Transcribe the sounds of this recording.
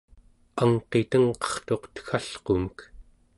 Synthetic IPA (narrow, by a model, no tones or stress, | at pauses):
aŋqe̞t̪əŋqʌ̥χt̪o̞qt̪ə̥xaɬqomək